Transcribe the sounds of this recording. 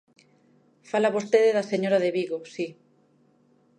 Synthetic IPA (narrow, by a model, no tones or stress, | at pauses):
falaβost̪eðeðaseɲoɾaðeβiɣosi